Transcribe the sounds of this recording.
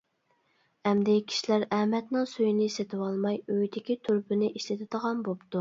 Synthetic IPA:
ɛmd̪ɪkʲʰi̥ʃilæɾɛmɛt̪nɨŋsyjnɪset̪ʰɪwɑlˠmɑjøjd̪ɪkʲit̪ʰyɾpɪnɪʔiʃlɪt̪ʰɪd̪əʁɑnbopt̪u

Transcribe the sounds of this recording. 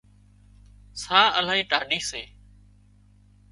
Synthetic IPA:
saːəl̤aːĩːʈaːɖiːseː

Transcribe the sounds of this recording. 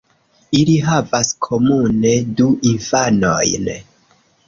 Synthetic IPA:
iliɦavaskʰo̞mune̞duʔinfano̞̰jn

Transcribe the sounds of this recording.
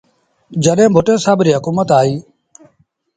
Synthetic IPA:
d͡ʒəɗẽːbʱʊʈẽːsaːbɾiːɦʊkuːmət̪aːɦiː

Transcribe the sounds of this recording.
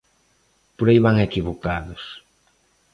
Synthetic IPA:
poɾajβaŋekiβokaðʊs

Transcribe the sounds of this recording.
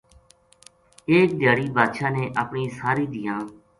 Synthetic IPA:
eːk̚d̪ʱjaːɽiːbʱaːd̪ʃaːneːʔəpɳĩːsaːɾiːd̪ɪjãː

